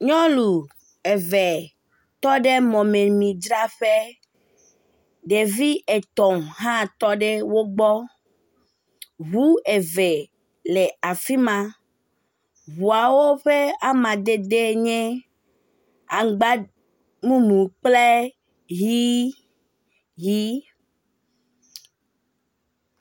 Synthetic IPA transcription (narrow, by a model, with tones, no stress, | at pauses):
ɲɔ̃˦lu˨ | e˨ve˨ | t̪ɔ˦ɖe˦mɔ̃˨mẽ˨mĩ˨d͡ʒɾa˦ɸe˦ | ɖe˨vi˦e˨t̪ɔ˨mɦã˦t̪ɔ˦ɖe˦wo˦ɡ͡bɔ˦ | βu˦e˨ve˨ | le˨a˨fi˦mã˨ | βu˨a˨wo˦ɸe˦a˦mã˨d̪e˦d̪e˦ɲɛ̃˦ | a˨ɡ͡ba˦ | mũ˦mũ˨k͡ple˦ | ji˦ | ji˦